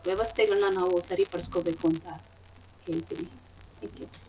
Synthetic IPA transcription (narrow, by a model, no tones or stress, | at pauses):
ʋjɐʋɐst̪ʰɛɡɐɭnɐnaːʋusɐɾipɐɽɐskobeːkuɐnt̪ɐ | he̞ːɭt̪iːni | t̪ʰæːŋkju